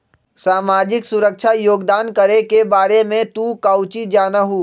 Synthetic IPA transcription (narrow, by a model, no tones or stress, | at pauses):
saːmaːd͡ʒɪksʊɾəkʃʰajoːɡd̪aːnkəɾekebaːɾemẽt̪ukaːʊt͡ʃid͡ʒaːnaɦuː